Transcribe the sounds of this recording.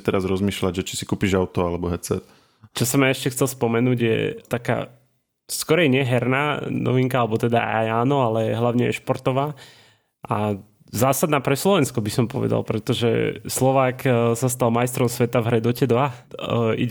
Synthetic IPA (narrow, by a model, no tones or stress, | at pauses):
t̪ɛɾazɾɔzmiːʃlaɟʒɛt͡ʃi̥sikuːpiʒaʊt̪ɔalɛbɔɦɛːt͡sɛ̰t̪ | t͡ʃɔsɔmaɛʃcɛxtt͡sɛlspɔmɛnuːɟjɛ̰t̪aka̰ː | skɔɾɛjɲɪɛɦɛɾnaːnɔ̰ʋiŋkaalɛbɔt̪ɛd̪a̰a̰jaːnɔalɛɦlaʊɲɛjɛ̰ʃpɔɾt̪ɔʋaː | ʔa | zaːsad̪naːpɾɛslɔʋɛnskɔbisɔmpɔʋɛ̰d̪a̰lpɾɛt̪ɔʒɛ̰slɔʋaːksast̪almajst̪ɾɔmsʋɛt̪avɦɾɛd̪ɔcɛd̪ʋa | ḭ